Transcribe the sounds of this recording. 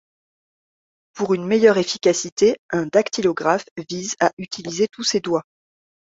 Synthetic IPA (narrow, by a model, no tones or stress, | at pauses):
puʁynmejœʁefikʲasit̪eɛ̃d̪akt̪ʰilɔɡʁafvizaʔyt̪ʰilizet̪used̪wa